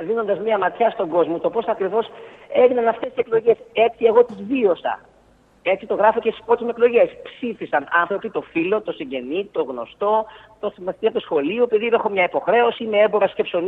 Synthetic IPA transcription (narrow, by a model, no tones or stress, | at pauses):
ðino̞nd̪ɐzmiɐmɐt̪çɐst̪o̞ɡo̞zmot̪o̞po̞sɐkɾivo̞se̞vinɐnɐft̪est̪iseklo̞ʝe̞se̞t͡sieɣo̞t̪izvio̞sɐ̰ | e̞t͡sit̪oɣɾɐfocest̪i̥spot̪imekloʝe̞spsifisɐnɐnθɾo̞pit̪o̞filo̞t̪o̞siɲɟe̞nit̪o̞ɣno̞̰st̪o̞ | t̪oθimɐsit̪iɐt̪usxo̞liupiðiðexomɲɐipo̞xɾe̞o̞simeeboɾɐsce̞pso̞n